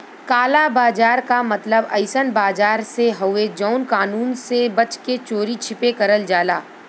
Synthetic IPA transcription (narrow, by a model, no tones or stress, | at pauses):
kaːlabaːd͡ʒaːɾkamɐt̪ləbɐ̰ɪsənbaːd͡ʒaːɾseɦɐwed͡ʒɔːʊnkaːnuːnsebɐt͡ʃket͡ʃoːɾit͡ʃʰɪpekɐɾəld͡ʒaːlaː